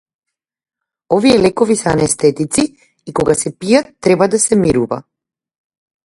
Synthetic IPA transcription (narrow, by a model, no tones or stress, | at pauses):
ɔviɛlɛkɔvisɛanɛst̪ɛt̪it̪si | ikɔɡasɛpijat̪ːɾɛbad̪asɛmiɾuva̰